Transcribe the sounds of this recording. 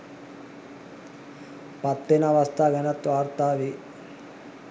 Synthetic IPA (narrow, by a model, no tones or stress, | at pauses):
pɐt̪ːenɐʋɐst̪ʰaːɡɐnɐt̪ʋaːɾt̪aːʋi